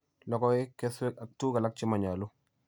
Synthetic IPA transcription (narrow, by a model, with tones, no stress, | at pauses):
lɔ˦kɔ˦ɪ˦kɛ˦swɛ˦ka˨tːu˦ɡa˨la˦k̚t͡ʃɪ˦ma˨ɲa˨lu˦